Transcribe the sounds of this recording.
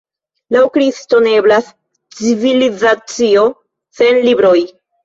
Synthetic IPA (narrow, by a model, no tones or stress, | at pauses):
lawkɾisto̞ne̞blas | t͡sivilizat͡sio̞ | se̞nlibɾo̞j